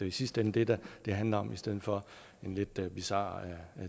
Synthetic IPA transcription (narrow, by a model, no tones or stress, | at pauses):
eisisd̥end̥e̝d̥æd̥e̝ɦænlɐɒ̽mʔisd̥eð̞̰̩ˠfɒ̽ | e̝nle̝d̥b̥isɑ̰̈ːæ